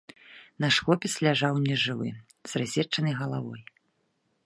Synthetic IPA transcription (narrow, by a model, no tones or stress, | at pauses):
naʂxɔpʲɛslʲaʐawnʲɛʐɨvɨ̰ | z̥razʲɛt͡ʂːɐnɐjɣɐlˠavɔ̰j